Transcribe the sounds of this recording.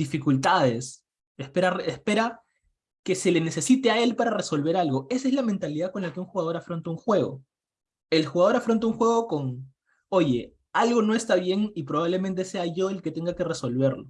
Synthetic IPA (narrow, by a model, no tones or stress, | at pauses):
d̪ifikult̪að̞e̞s | espeɾarespe̞ɾa | ke̞se̞le̞ne̞se̞sit̪eae̞lpaɾareso̞lβe̞ɾalɣo̞e̞saezlamẽnt̪aliðað̚konlakeuŋxuɣað̞o̞ɾafɾo̞nt̪auŋxwe̞ɣo̰ | elxuɣaðo̞ɾafɾo̞nt̪auŋxwe̞ɣ̞o̞ko̞ŋ | o̞ʝe̞ | alɣo̞no̞e̞st̪aβje̞ŋipɾo̞β̞aβle̞mẽnt̪̬e̞se̞aʝo̞elke̞t̪e̞ŋɡake̞reso̞lβe̞ɾlo̞